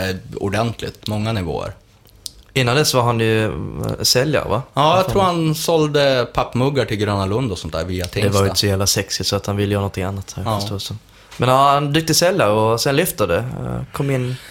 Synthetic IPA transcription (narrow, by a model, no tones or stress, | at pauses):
ʊ̰ɖɛnt̪ʰlɪ̰t̪mɔŋːanɪvo̰ːə̰ɾ | ɪnːand̪ɛsvaɾɦanjɵ | sɛlja̰ɾ̰va̰ɑːjat̪ʰɾuːɾhansɔld̪əpʰapːmɵɡːaʈʰɪlɡɾøːnalɵnd̪ɔsɔnt̪̚æ̰ːɾviːat̪ʰɛd̪ɛvaɾɪəsɔjæːvlasɛksɪsɔat̪hanvɪlːəjːnɔnt̪ʰɪŋanːat̪safœsuːsən | mɛnaand̪ʏk̚t̪əsɛljaɾɔsɛnlʏft̪ad̪ɛkʰɔmːɪnː